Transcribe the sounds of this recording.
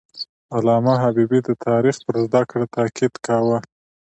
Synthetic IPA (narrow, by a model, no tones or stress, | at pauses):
alɑmaɦabibid̪ət̪ʰɑɾixpəɾzd̪akɽat̪ɑkʰɪd̪kawə